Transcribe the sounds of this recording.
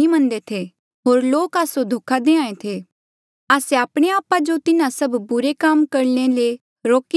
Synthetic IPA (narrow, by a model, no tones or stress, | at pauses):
imɐə̃nd̪et̪ʰe | ɦoːɾloːkaːsod̪ʱoːkʰad̪eːãːẽt̪ʰeː | aːseaːpɽ̃eaːpad͡ʒot̪ɪnãsɐbbʊɾekaːmkɐɾnele | ɾoːki